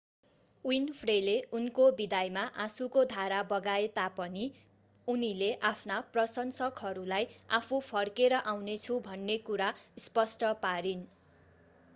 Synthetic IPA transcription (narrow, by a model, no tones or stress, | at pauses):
winpʰreleunkobid̪ajmaʔasukod̪ʱaɾabʌɡaet̪apʌni | unileʔapʰnaprʌsʌnsʌkɦʌɾulaja̰pʰupʰʌrkeɾʌʔawnet͡sʰubʱʌnːekuɾaspʌsʈʌpaɾin